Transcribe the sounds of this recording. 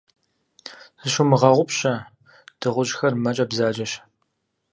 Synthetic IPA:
zɨʃʊmɨʁɐʁʷʊpɕɐ | d̥ɨʁʷʊʑxɐrmɐt͡ʃʼɐbzaːd͡ʒɐɕ

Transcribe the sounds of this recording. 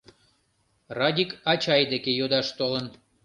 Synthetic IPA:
rɑd̪ʲikɑt͡ɕɑjd̪ekejod̪ɑʃt̪olən

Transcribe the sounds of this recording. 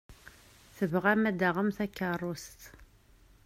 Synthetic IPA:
θəvʁæmæd̪aʁəmθækːarˤːust̪

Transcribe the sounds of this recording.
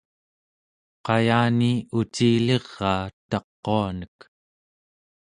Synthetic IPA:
qɑjaːniut͡ʃiːleʁːɑːt̪ɑqːoanək

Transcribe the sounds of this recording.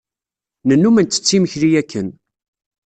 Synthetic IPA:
nənːumænt̪ːə̥t͡sːiməçɾijækːən

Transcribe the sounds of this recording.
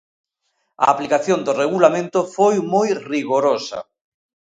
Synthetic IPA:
a̰aplikaθjond̪oreɣulamẽnt̪ofojmojriɣoɾosɐ̰

